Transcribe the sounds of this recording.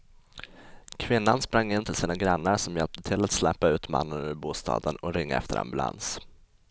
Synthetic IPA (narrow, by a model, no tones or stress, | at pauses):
kʰvɪnːanspɾaŋːɪnt̪ʰɪlsiːnaɡɾanːaɾʂɔmjɛlp̚t̪ət̪ʰɪlːat̪slɛpːaʉ̟ːt̪ma̰nːənʉbuːst̪ʰɑ̰ːd̪ənɔɾɪŋːa̰ɛ̰ft̪əɾa̰mbɵlʔa̰ns